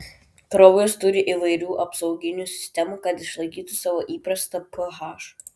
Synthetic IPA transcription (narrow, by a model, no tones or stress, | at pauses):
k̪ɾɔʊjost̪ʊɾʲɪʔiʋɐɪɾʲuːʔɐpsɒʊɡʲɪnʲuːsʲɪ̥sʲt̪ʲɛmuːkɐt̪ɪʃlˠɐɪkʲiːt̪usɑːʋoːʔiːpɾɐst̪ɐpʰoɦɑːʃ